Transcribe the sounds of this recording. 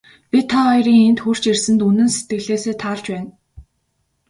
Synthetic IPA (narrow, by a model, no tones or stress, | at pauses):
pʲit̪ʰaɔjriːŋent̪xur̥t͡ɕersɘ̆nt̪unɘ̆nset̪ɡɘ̆ɮeːseːt̪ʰaːɮt͡ɕpæːn